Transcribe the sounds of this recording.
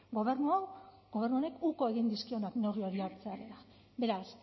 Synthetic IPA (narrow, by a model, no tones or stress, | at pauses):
ɡoβeɾnaɡ̥oernuone̞kuko̞e̞ɣind̪iskio̞nakno̞ɣio̞ɾiaɾt͡seaɾela | be̞ɾas